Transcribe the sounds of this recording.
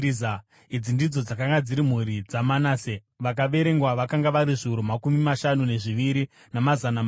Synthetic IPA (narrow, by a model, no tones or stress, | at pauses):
a | id͡zindid͡zo̞d͡zakaŋɡad͡ziɾim̤uɾid͡zamanaːse | ʋak̬aʋe̞ɾe̞ŋɡwaʋakaŋɡaʋaɾiʐiuɾumakumimaʃanune̞ʐiʋiɾi | namazana